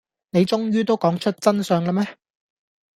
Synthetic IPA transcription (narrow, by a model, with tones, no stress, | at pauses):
ne˨˧jt͡sʊ˥ŋjyː˥t̪o˥wkɔː˨˥ŋt͡ʃʰɵ˥t̚t͡sɐ˥nsœː˨˧ŋlɐ˥mɛː˥